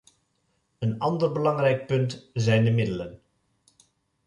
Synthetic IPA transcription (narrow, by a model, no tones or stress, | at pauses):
ənɑndərbəlɑŋrɛjk̚pɵntzɛjndəmɪdələn